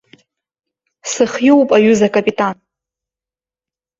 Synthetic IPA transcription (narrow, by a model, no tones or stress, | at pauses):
sɨχjowpʼaɥʏzakʼapʼitʼan